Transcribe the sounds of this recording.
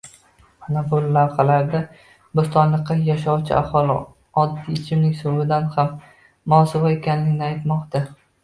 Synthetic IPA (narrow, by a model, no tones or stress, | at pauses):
manabʊlːavχalaɾd̪a | bʊst̪ɒnlˠɨqːɑjaʃɒwt͡ʃʰɪ̰a̰hɒlˠɪ | ɒd̪ːiɪt͡ʃʰɪmnɪkʲsʊvɪd̪anhamː | ʊɒsɪvaekʲanlɪɡʲnɪajt̪mɒqt̪a